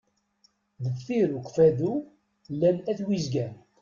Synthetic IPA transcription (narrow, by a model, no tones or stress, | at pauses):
ðəffiɾuqfæðu | lːænæθwizɡæn